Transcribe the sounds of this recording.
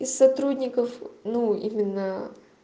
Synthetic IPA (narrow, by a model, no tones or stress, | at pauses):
ɪsːɐt̪ɾudʲnʲɪkəfnuḭmʲɪnːə